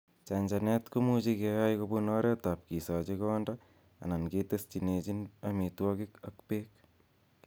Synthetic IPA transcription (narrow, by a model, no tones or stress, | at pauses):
t͡ʃaɲd͡ʒanɛtkomut͡ʃikejajkobunɔːɾɛtap̚kisat͡ʃekɔːnda | a̰nanketest͡ʃinet͡ʃinɐmitwɔkɪkɐkpeːk̚